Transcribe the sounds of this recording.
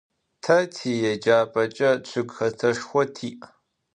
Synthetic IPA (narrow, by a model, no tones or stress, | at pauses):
tʰɐtʰiːjɛd͡ʒaːpʼɐt͡ʃʼɐt͡ɕʷʰɨɡxɐtʰɐʂxʷɔtʰiːʔ